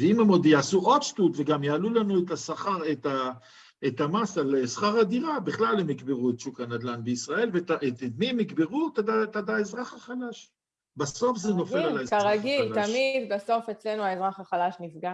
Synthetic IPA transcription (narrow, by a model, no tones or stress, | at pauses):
veimemod̪jaːsuʔo̞d̪ʃt̪ut̪veɡamjaːlulanuet̪asaχaʁet̪a | et̪amasalesχaʁad̪iʁabiχlalhemikbeʁuet̪ʃukanad̪lanbeisʁae̞lvetaʔemiemːikbeʁut̪adat̪ad̪aezʁaχaχalaʃ | baso̞fzeno̞felalaezaʁaɡilat̪amid̪baso̞fet͡slenuaezʁaχaχalaʃnifɡa